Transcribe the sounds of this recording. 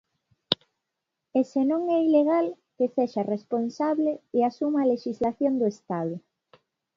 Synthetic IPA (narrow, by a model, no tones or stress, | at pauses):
esenõŋɛileɣ̞al | keseʃaresponsaβleeasumaleʃizlaθjond̪oest̪aðʊ